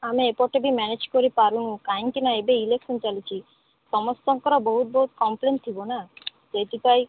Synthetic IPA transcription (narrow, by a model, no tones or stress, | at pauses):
amiepɔʈebimɛned͡ʑkoɾipaɾunukajnkinaebeilekʃɔnt͡ʃalit͡ɕʰi | ʃɔmɔst̪ɔŋkɔɾaboɦut̪̚boɦut̪̚kɔmplenʈt̪ʰibona | d͡ʒet̪ipaj